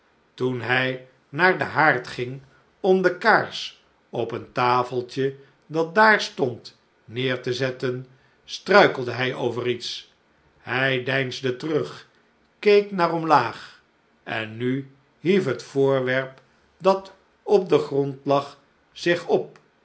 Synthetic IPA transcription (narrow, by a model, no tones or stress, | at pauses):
tunɦɛj | naːɹdəɦaːɹtχɪŋ | ɔmdəkaɹs | ɔpəntaːfəlˠtə | dɑt̚daːɹstɔnt | nɪːɹtəzɛtən | strœɥkəl̩ˠdəɦɛjʔowvərits | hɛjdɛjnzdətərɵχ | kejknaːrɔmlaːχ | ʔɛ̰nːy | ɦifɦətfʊːɹʋɛɹp | dɑt | ɔp̚dəχrɔntlɑχ | z̥ɪχɔp̚